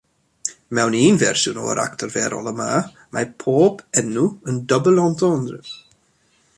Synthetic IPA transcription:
mɛwniːnvɛrsʊno̰ə̰ɾʔa̰ktʰərvɛɾʔɔ̰lˠəma | mapʰoːbɛnuəndɔbəlˠɔntʰɔəndrɪ

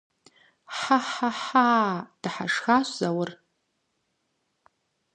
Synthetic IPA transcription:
ħaħaħaːd̥ħa̰ʂxaɕʷzawʊr

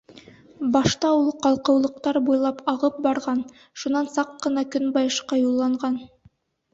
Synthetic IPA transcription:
bɑʃt̪ɑulˠqɑlˠqɤ̆wlˠɤ̆q̚t̪ɑɾbujlˠɑpɑʁɤp̚bɑɾʁɑn | ʃunɑnsɑqːɤ̆nɑkɵnbɑjɤ̆ʃqɑjulˠːɑɴʁɑn

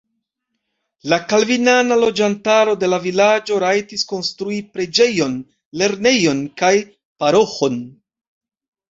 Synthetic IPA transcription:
lakalvinanalo̞d͡ʒantaɾo̞de̞lavilad͡ʒo̞ɾajtisko̞nstɾuipɾe̞d͡ʒe̞jo̞n | le̞ɾne̞jo̞nkaj | paɾo̞xo̞n

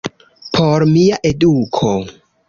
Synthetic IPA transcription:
pʰoɾmiaʔe̞dukʰo̞

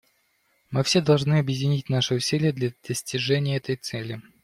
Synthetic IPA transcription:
mɨfsʲed̪ɐlˠʐnɨɐbjɪdʲɪnʲitʲnaʂɨʊsʲilʲɪjəd̪lʲɐd̪̥əsʲtʲɪʐɛnʲɪjəɛt̪əjt̪sɛlʲɪ

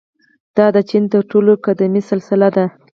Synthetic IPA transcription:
d̪̥ɑd̪ət͡ʃint̪əɾʈolokad̪amisɪlsɪlad̪a

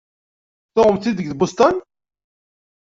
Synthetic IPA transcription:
θoʁəmθiðəɡðbust̪ˤɑn

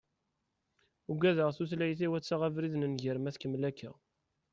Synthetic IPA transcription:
uɡʷæðəʁθuθlæjθiwæt͡sːaʁævɾiðnənʝəɾmæθkəmlækːæ̰

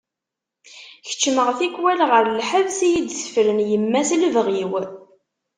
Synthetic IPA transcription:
çə̥t͡ʃːməʁθikːwælʁəɾlħəðsijid̪sə̥flənjəmːæslvʁiw

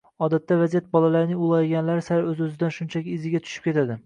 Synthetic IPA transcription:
ɒd̪at̪ːavazijat̪̚bɒlˠalaɾnɪŋʊlˠɑjɡʲanlaɾɪsaɾɵzɵzɪd̪anʃʊnt͡ʃʰakʲɪːzɪɡʲat̪ʰʊ̥ʃɪ̥p̚kʲe̞t̪ʰad̪ɪ

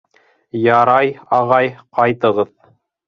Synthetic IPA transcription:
jɑɾɑjɑʁɑjqɑjt̪ɤ̆ʁɤð

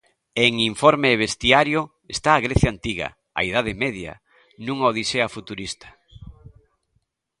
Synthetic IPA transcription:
eŋiɱfɔɾmeβest̪iaɾjo | est̪aːɣɾeθjant̪iɣɐ̰ | a̰iðaðɪmeðja̰ | nũŋaoðiseɐfut̪uɾist̪ɐ̥

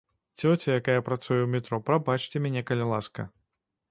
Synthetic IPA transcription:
t͡sʲɔt͡sʲɐjakajɐpɾat̪sujɛwmʲɛt̪ɾɔpɾabat͡ʂt͡sʲɛmʲɛnʲɛkɐlʲɛlˠaskɐ̰

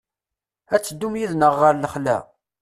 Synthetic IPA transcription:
æt͡sːəd̪ːumjiðnəʁːəɾləχlæ̰

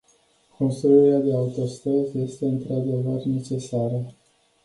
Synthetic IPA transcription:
konsoluɾead̪e̞aut̪o̞st̪ɾəzje̞st̪e̞ɨnt̪ɾad̪e̞vərne̞t͡ʃe̞saɾə

